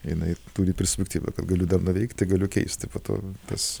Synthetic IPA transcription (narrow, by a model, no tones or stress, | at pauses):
jɪnɐɪt̪uːɾʲɪpʲɛɾʲsʲpʲɛkt̪ʲiːʋɐ̰kɐt̪ɡɐlʲʊd̪ɐrnʊʋʲɛɪkt̪ʲt̪ɪɡɐlʲʊkʲɛɪsʲt̪ʲɪpoːt̪o̰ːt̪ɐs